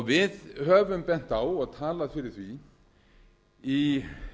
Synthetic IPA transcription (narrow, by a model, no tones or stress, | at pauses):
vɪðhœːvʏmpɛn̥t̪awɔɣt̪ʰaːlaðfɪɾɪɾ̥θvi | i